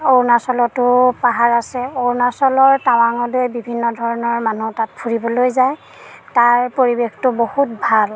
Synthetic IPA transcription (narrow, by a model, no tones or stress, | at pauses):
oɹnasɔlɔtʊpaɦaɹasɛoɹnasɔlɔɹtawaŋɔdojbibʱinːɔdʱɔɹɔnɔɹmanutat̚pʰuɹibɔlojzaj | taɹpoɹibextʊbohut̚bʱal